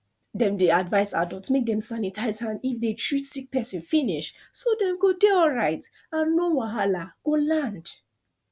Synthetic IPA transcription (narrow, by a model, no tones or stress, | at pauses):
dɛ̃mdeadvaɪsa̰dɔlˠtmek̚dɛ̃msanitʰaɪzãnifdetʰɹitsik̚pɛsĩnfiniʃ | sodɛ̃mɡodeɔlɹaɪt | ãnːowaɦalaɡ̥olãnd̥